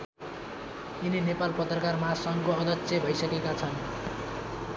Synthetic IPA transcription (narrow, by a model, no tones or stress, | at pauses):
ininepalpʌt̪rʌkarmasʌŋkoʌd̪ʱʌtsʰebʱʌjsʌkekat͡sʰʌn